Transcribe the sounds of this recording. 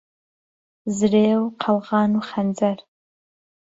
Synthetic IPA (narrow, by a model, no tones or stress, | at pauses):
zɨreːwqʰɐlʁɑːnuχɐnd͡zɐr